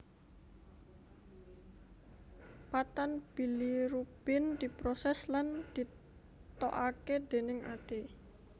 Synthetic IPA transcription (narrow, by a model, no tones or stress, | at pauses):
pat̪anb̥i̤liɾub̥ɪnd̪̥i̤pɾɔsɛsland̪̥i̤ | t̪oʔaked̪̥e̤nɪŋʔa̰t̪e